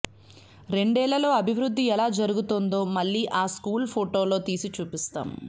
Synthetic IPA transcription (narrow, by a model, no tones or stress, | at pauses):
ɾe̞ɳɖɛːɭːɐlo̞ːɐbʱiʋɾud̪ːiɛlaːd͡ʒɐɾuɡut̪ond̪o̞ːmɐɭːiːʔaːskuːlpʰoʈo̞ːlo̞ːt̪iːsit͡ʃuːpist̪a̰ːm